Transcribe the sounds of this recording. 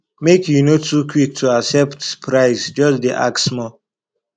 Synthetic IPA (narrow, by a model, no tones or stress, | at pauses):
mekʰjunotʰukʰwik̚tʰuaksɛptpʰɹaɪsd͡ʒʌsd̪iʔa̰ksmɔ